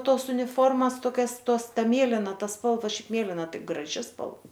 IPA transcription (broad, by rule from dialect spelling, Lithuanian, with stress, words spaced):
ˈtoːs ʊnʲɪˈfoːrmɐs toːˈkʲɛs ˈtoːs ˈtɐ ˈmʲeːlʲɪnɐ ˈtɐ ˈspɐlˠʋɐ ˈʃʲɛɪp ˈmʲeːlʲɪnɐ ˈtɐɪ ɡrɐˈʒʲɪ spɐlˠ